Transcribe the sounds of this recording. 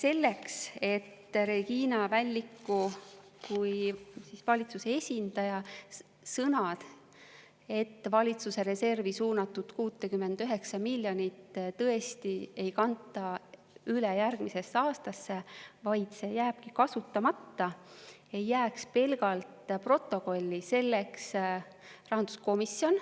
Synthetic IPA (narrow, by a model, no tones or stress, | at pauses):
se̞lːe̞kse̞t̪ːɾe̞ɡiːnɑvælʲːikːu | kujsisvɑlʲit̪suse̞e̞sʲind̪̥ɑjɑ | sɤnɑd̪̥ | e̞t̪ːvɑlʲit̪suse̞ɾe̞se̞rvisuːnɑt̪ːud̪̥kuːt̪ːˑekymːe̞nd̪̥yɦe̞ksɑmilʲːjo̞nit̪ːt̪ɤ̞e̞st̪ie̞jkɑnt̪ːˑɑ | ylejærɡ̥mise̞sːeɑːst̪ɑsːe̞vɑjd̪̥se̞jæːb̥̚kikɑsut̪ːˑɑmɑt̪ːɑ | e̞jːæːkspe̞lɡ̥ɑlt̪pro̞t̪ːˑo̞ko̞lʲːise̞lːeks | rɑɦɑnd̪̥usko̞misːjo̞n